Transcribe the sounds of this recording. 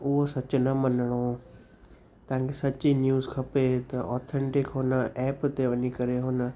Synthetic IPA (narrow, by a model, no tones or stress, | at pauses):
ʊɦosɐt͡ʃnəmənəɽ̃oː | t̪ãːŋkesɐtːt͡ʃinjuːzkʰɐpet̪ɐɔːt̪ʰẽɳʈɪkɦoːnaʔɛːpt̪eʋənikəɾeɦoːna